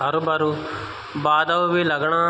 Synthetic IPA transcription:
ɐɾubɐɾu | baːd̪ɐʋʋilɐɡɳaː

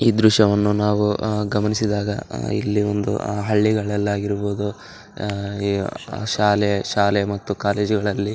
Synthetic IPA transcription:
iːd̪ɾuʂɐʋɐnːunaːʋuɡɐmɐnisid̪aːɡɐ̰ḭlːiond̪ṵɦɐɭːiɡɐɭɛlːaːɡiɾuboːd̪u | ʃaːlɛɐʃaːlɛmɐt̪ːukaːle̞ːd͡ʒuɡɐɭɐlːi

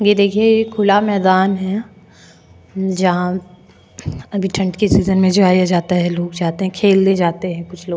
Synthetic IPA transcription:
jed̪eːkʰiejekʰʊlamɛːd̪aːnɦɛ | d͡ʒɐɦã | ɐbʱiʈʰɐ̃ɳʈkesiːzənmẽd͡ʒoaːijad͡ʒaːt̪aɦɛloːkd͡ʒaːt̪eɦɛ̃kʰeːld̪ẽd͡ʒaːt̪eɦɛ̃kʊt͡ʃʰloː

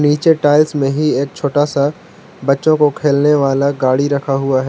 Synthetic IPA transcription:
niːt͡ʃeʈaːɪlsmẽɦieːk̚t͡ʃʰoːʈaːsa | bɐtːʃõkokʰeːlneʋaːlaɡaːɽiɾɐkʰaɦʊaɦɛ

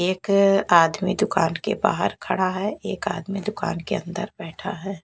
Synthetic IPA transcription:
eːkaːd̪mid̪ʊkaːnkeba̰ːɦəɾkʰɐɽaɦɛeːkaːd̪mid̪ʊka̰ːnkeɐ̰̃nd̪əɾbɛːʈʰaɦɛː

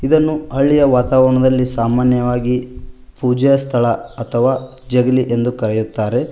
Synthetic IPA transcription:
id̪ɐnːuɐɭijɐʋaːt̪aːʋɐɾɐɳɐd̪ɐlːisaːmaːnjɐʋaːɡipuːd͡ʒɐjɐst̪ʰɐɭɐɐt̪ʰɐʋaː | d͡ʒeɡliʔe̞nd̪ukɐɾɛjut̪ːaːɾe̞

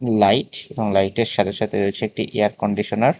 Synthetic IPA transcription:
lajʈeboŋlajʈeɾʃad̪ʱeʃat̪ʰeɾoet͡ɕʰeek̚ʈiʔeaɾkoɳɖiʃonaɾ

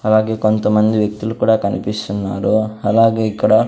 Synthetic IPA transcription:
ɐlaːɡekont̪ɐmɐnd̪iʋjɐk̚t̪ilukuːɽɐkɐnipisunːa̰ːɾuɐlaːɡekuːɽa

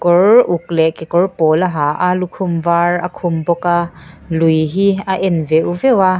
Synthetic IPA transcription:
kɔɹʔuk̚lɛʔkɛkɔrpɔːlaɦaʔalukʰʊmvaːɹakʰʊmbɔka | lujɦiaʔɛnvɛʔuvɛwa

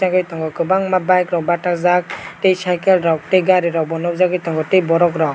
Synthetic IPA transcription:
aɡɯjtɔŋɡɔkɯbaŋmabajkɾɔkbatakzak̚tejsajkɛlɾɔk̚teɡaɾiɾɔbɔnɔp̚zaɡɯjtɔŋɡɔtejbɔɾɔkɾɔ

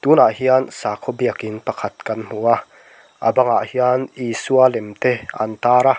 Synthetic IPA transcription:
t̪unaʔhiansaːkʰɔbiəkinpɐkʰat̪̚kɐnm̥ua | ʔabaŋa̰ʔhianiːsualɛmt̪eʔa̰nt̪aːɾa

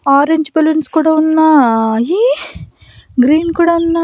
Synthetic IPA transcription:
aːɾeɲd͡ʒbɐlunskuːɽaunːɐji | ɡɾiːnkuːɽaunːɐ

